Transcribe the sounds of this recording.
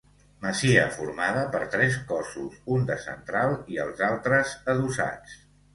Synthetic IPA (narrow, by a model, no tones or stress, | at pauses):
məsiə̰fuɾmaðəpəɾt̪ɾɛskɔsusund̪əsə̰nt̪ɾalˠiəlˠzalˠt̪ɾəzəðusa̰t͡s